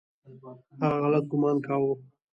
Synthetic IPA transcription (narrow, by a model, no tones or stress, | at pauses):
haɣaɣalat̪̚ɡʊmɑːnkɑwo